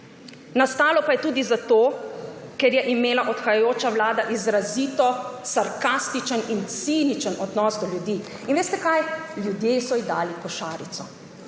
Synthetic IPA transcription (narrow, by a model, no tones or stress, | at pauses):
nast̪aːlɔpajɛt̪uːd̪izat̪oːkɛɾjɛʔimeːlaʔɔt̪xajajoːt͡ʃawlaːd̪aʔizɾaziːt̪ɔsaɾkast̪it͡ʃənint̪sinit͡ʃənɔd̪nɔːzd̪ɔlʲjud̪iː | inʋeːst̪ɛkajljud̪jesɔiɣd̪aːlikɔʃaːɾit̪sɔ